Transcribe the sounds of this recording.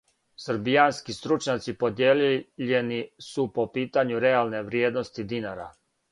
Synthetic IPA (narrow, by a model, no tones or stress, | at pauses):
səɾbijanskist̪ɾut͡ʃɲat̪sipo̞d̪jeːliʎenisupo̞piːt̪aɲuɾe̞alˠne̞ʋɾjeːd̪nost̪id̪inaɾa̰